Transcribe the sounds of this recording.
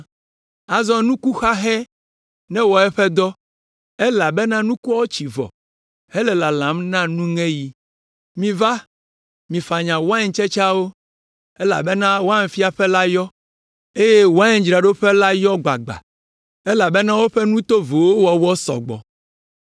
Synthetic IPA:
a˨zɔ˦nũ˦ku˦xa˦ɦɛ˦ | nɛ̃˦wɔ˨ɛ˦ɸɛ˦d̪ɔ˦ | ɛ˦la˨bɛ˦nã˦nũ˦ku˦a˦o˦t͡ʃi˨vɔ̰˨ | hɛ˦lɛ˨la˨lã˨˦mnã˦nũ˦ŋɛ̃˦ji˦ | mĩ˨va˦ | mĩ˨fa˨ɲã˨wa˦ɲ˨t͡ʃɛ˦t͡ʃa˦wo˦ | ɛ˦la̰˨bɛ˦nã˦wo˦a˦ɲ˨fi˦a˨ɸɛ˦la˦jɔ˦ | e˦je˦wo˨a˦ɲɛ̃˦d͡ʒɾa˨ɖo˦ɸɛ˦la˦jɔ˦ɡ͡ba̰˨ɡ͡ba̰˨ | ɛ˦la˨bɛ˦nã˦wo˦ɸɛ˦nũ˦t̪o˦vo˨wo˦wɔ˨wɔ˦sɔ̰˨ɡ͡bɔ̰˨

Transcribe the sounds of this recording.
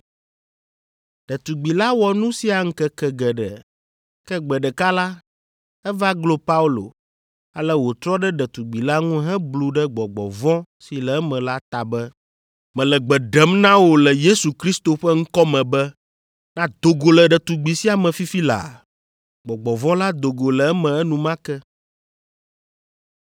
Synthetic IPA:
ɖ̥ɛ˨t̪u˨ɡ͡bi˨la˦wɔ˨nũ˦si˦a˨ŋ̩˦kɛ˦kɛ˦ɡɛ˨ɖɛ̰˨ | kɛ˦ɡ͡bɛ˨ɖɛ˨ka˦la˦ | ɛ˦va˦ɡlo˦pa˦u˦lo̰˨ | a˨lɛ˦wo˨t̪ɾɔ˦ɖɛ˦ɖɛ˨t̪u˨ɡ͡bi˨la˦ŋũ˦ɦɛ̃˦blu˨ɖɛ˦ɡ͡bɔ˨ɡ͡bɔ̰˨vɔ̃˦si˨lɛ˨˦mɛ̃˨la˦t̪a˨bɛ˦ | mɛ̃˨lɛ˨ɡ͡bɛ˨ɖɛ˦mnã˦wo˨lɛ˨je˦su˨kɾi˦st̪o˨ɸɛ˦ŋ̩̃˦kɔ˦mɛ̃˨bɛ˦ | nã˦d̪o˨ɡo˨lɛ˨ɖɛ˨t̪u˨ɡ͡bi˨si˦a˨mɛ̃˨fi˦fi˦la̰˨ | ɡ͡bɔ˨ɡ͡bɔ˨vɔ̃˦la˦d̪o˨ɡo˨lɛ˨ɛ˦mɛ̃˨ɛ˦nũ˨mã˦kɛ˦

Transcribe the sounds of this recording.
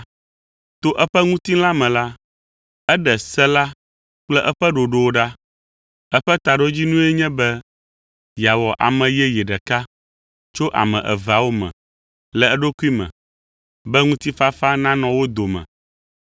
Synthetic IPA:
t̪o˦ʔɛ˦ɸɛ˦ŋũ˦t̪i˦la˦mɛ̃˨la˦ | ɛ˦ɖɛ˨sɛ˦la˦ | k͡plɛ˦ʔɛ˦ɸɛ˦ɖo˨ɖo˨wo˦ɖa˦ | ɛ˦ɸɛ˦t̪a˨ɖo˦d͡ʑi˦nũ˦ɛ˦ɲɛ̃˦bɛ˦ | ja˨wɔ˨ʔa̰˨mɛ̃˨jɛ˦jɛ˨ɖɛ˨ka˦ | t͡ʃo˦ʔa̰˨mɛ̰̃˨ʔɛ̰˨va˨wo˦mɛ̰̃˨ | lɛ˨ɛ˦ɖo˦ku˦i˦mɛ̰̃˨ | bɛ˦ŋũ˦t̪i˦fa˦fa˦nã˦nɔ̃˨wo˦d̪o˨mɛ̰̃˨

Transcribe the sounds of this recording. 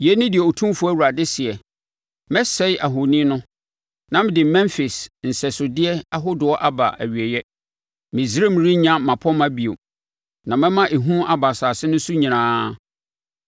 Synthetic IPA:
jɛ˦nɪ̃˦dɪ˨ɛ˨o˨tʰũ˦fʊ˨˦æ˦wu˨ɾa˨dɪ˦sɪ˨ɛ˨ | mɛ̃˦sɛ˦ʔa˨ɦo˨nĩ˦nʊ̃˦ | nã˨m˦dɪ˨mɛ̃˦nfɪ˨sn̩˨sɛ˨sʊ˨dɪ˦ɛ˦a˦ɦʊ˦dʊ˨ɔ˦ʔa˦ba̰˨ʔæ̰˨ɥi˨ɛ˨jɛ˦ | mɪ̃˨zɾe˦m˦ɾi˦ɲã˦mã˨pʰɔ˦mã˦bi˨o˨ | nã˨mɛ̃˦mã˦ʔe˨ɦũ˦a˨ba˨saː˨sɪ˦nʊ̃˦su˦ɲĩ˨ɾãː˦

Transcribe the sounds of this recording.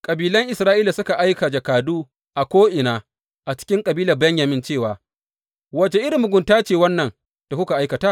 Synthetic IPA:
kʼɐ˨biː˨lɐ˦ŋʔɪ˨sɾaː˦ʔiː˦la˨sʊ˦ka˨ʔa˦jka˨d͡ʒɐ˨kaː˨duː˦ | ʔa˨kʷoː˦ʔɪ˨naː˨ | ʔa˨t͡ʃɪ̥˦kʲɪ˦ŋkʼɐ˨biː˦lɐ˨rbɛ˦ɲja˨mɪ˦nt͡ʃeː˦˨waː˨ | wɐ˨t͡ʃe˨ʔɪ˦ɾɪ˨mːʊ˨ɡʷʊ˨ntaː˦t͡ʃeː˨wɐ˦nːɐ˨n | d̥a˨kʷʊ˦ka˨ʔa˦jkɐ˨taː˦

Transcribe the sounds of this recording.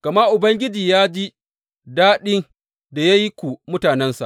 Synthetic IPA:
kɐ˨ma˦ʔʊ˨bɐ˦ŋɡʲɪ˦d͡ʒiː˨jaː˦d͡ʒi˦ | daː˦ɗɪ˦ŋ | da˨ja˦ji˦kʷu˨mʊ˦taː˨nɛ˦nsa̰˨

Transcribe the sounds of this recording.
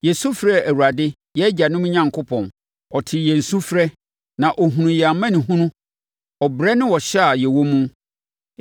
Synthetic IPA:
jɛ˨su˦fɾɛ˦æ˨wu˨ɾa˨dɪ˦ | jɛ˦d͡ʑa˨nʊ̃˦m̃˦ɲã˨ŋkʰʊ˦pʰɔ̃˨n | ɔ˨tʰɪ˨jɛ˨n̩˨sũ˦fɾɛ˦ | nã˨ʔɔ˨ɦũ˨nũ˨ja˨˦mã˦nɪ̃˨ɦũ˦nũ˦ | ɔ˨bɾɛ˦nɪ̃˦wɔ˨ɕɛ˦a˨jɛ˨wo˦mũ˦

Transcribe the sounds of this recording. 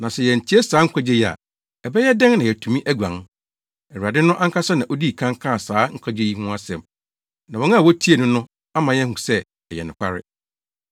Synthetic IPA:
nã˨sɛ˨jɛ˨ɲ̩˨tʰi˦e˦saː˨˦ŋ̩˦kʷʰa˦d͡ʑe˦ji˨a̰˨ | ɛ˨bɛ˦jɛ˦dɛ̃˦ŋnã˨jɛ˨tʰũ˨mĩ˦ʔæ˦ɡʷã̰˨n | ɛ˨wu˨a˨dɪ˦nʊ̃˦ʔã˦ŋ̩˦kʰa˦sɛ˦nã˨ʔo˦diː˦˨kʰã˦ŋ˦kʰã˦˨saː˨˦ŋ̩˦kʷʰa˦d͡ʑe˦ji˦hʊ̃˦a˦sɛ̰̃˨m | nã˨wɔ̃˨˦ã˦˨wɔ˦tʰi˦e˨nʊ̃˦nʊ̃˦ | a˦mã˨jɛ˦hũ˨sɛ˦ | ɛ˨jɛ̰˨nʊ̰̃˨kʷʰa̰˦ɾɪ̰˦

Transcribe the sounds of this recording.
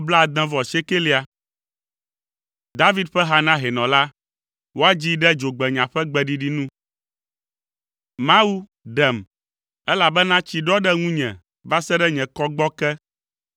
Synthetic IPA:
bla˦˨d̪ɛ̃˦vɔ˨se˦ke˦li˦a˨ | d̪a˦vi˦d̪ɸɛ˦ɦa˦nã˦ɦɛ˨nɔ̃˨la˦ | wo˦a˦d͡ʑi˦ɖɛ˦d͡ʒo˨ɡ͡bɛ˨ɲã˨ɸɛ˦ɡ͡bɛ˨ɖi˦ɖi˦nũ˦ | mã˦wu˦ | ɖɛ˨m | ɛ˦la˨bɛ˦nã˦t͡ɕi˨ɖɔ˦ɖɛ˦ŋũ˦ɲɛ̰̃˨ | va˦sɛ˦ɖɛ˦ɲɛ̃˨kɔ˦ɡ͡bɔ˦kɛ˦

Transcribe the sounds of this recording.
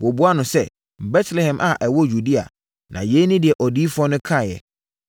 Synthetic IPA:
wɔ˨bu˦a˦nʊ̃˨sɛ˦˨ | bɛ˦tʰlɛ˨hɛ̃˨mʔa˨ʔɛ˨wɔ˦ju˨di˦a̰˨ | nã̰˨je˦nĩ˦dɪ˨ɛ˨ʔɔ˨di˦fʊ˦ɔ˦nʊ̃˦kʰã˦˨jɛ̰˨

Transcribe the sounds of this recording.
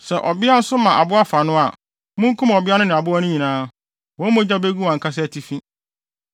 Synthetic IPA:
sɛ˨ʔɔ˨bɪ˦a˦n̩˦sʊ˦mã˨ʔa˨bʊ˦a˦fa˨nʊ̃˦a˨ | mʊ̃˦ŋ̩˦kʰũ˦m˨ɔ˨bɪ˦a˦nʊ̃˦nɪ̃˨a˨bʊ˦a˦nʊ̃˦ɲĩ˨nãː˦ | wɔ̃˨˦mʊ̃˦d͡ʑa˦be˦ɡu˦wã˨ŋ̩˨kʰa˦s̬ɪ˦æ˨tʰi˦fĩ˦

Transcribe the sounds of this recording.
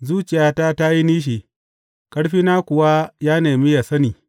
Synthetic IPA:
zuː˦t͡ʃɪ˨jaː˦ta˦ta˦ji˦niː˦ʃ̬i˨ | kɐ˦ɽɸiː˦na˦kʷʊ˨wa˦jaː˦neː˨mi˦ja˨sɐ˦niː˨

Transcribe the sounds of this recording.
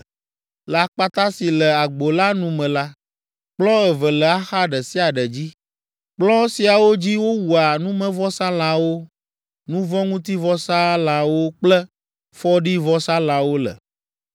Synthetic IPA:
la˦k͡pa˦t̪a˦si˨lə˨a˨ɡ͡bo˨la˦nũ˦mɛ̃˨la˦ | k͡plɔ̃˦ɛ˨və˨lə˨a˦xa˦ɖə˨si˦a˨ɖə˨d͡ʑi˦ | k͡plɔ̃˦si˨a˨wo˦d͡ʑi˦wo˦wu˨a˨nũ˦mə̃˦vɔ˦sã˦l̃ã˨wo˦ | nũ˦vɔ̃˦ŋũ˦t̪i˦vɔ˦sa˦lã˨wo˦k͡plə˦ | fɔ˦ɖi˦vɔ˦sa˦l̃ã˨wo˦lə̰˨

